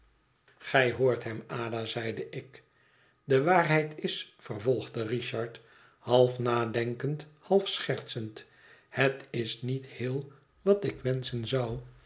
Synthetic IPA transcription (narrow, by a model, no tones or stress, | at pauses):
χɛjɦoːɹtɦɛmaːdazɛjdəʔɪk | dəʋaːrɦɛjtɪsfərvɔlˠχdəriʃɑɹt | hɑlˠfnaːdɛŋkənthɑlˠfsχɛɹt̪sənt | hətɪsnithɪːlˠ | ʋɑtɪkʋɛnsənzʌw